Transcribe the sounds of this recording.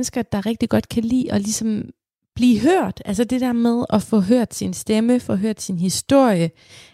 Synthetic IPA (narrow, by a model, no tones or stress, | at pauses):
nəsɡ̥ɐd̥ɑ̈ʁɛɡ̥̚d̥iɡ̥ɒ̽d̥kʰælḭːɒ̽lisɒ̽m | b̥liːɦøɐ̰d̥ælsəd̥e̝d̥æɐ̰með̞ˠɒ̽fɔ̽ɦøɐ̰d̥sinsd̥eməfɒ̽ɦøɐ̰d̥sinhisd̥o̝ɐ̰jə